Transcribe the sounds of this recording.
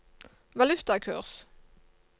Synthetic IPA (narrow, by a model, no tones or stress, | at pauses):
ʋɑlʉt̪ɑkʰʉ̰ːʁs